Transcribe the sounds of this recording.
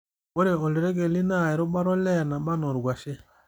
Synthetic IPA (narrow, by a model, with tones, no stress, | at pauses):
o˦ɾe˨ɔ˨li˨ɾe˦ɡe˨li˦na˦˨ɛ˨ɾʊ˦ɓa˦ɾɔ˦lɛ˦˨ɾna˨ɓa˦nɔ˨ɾɡʷa˨ʃɪ˦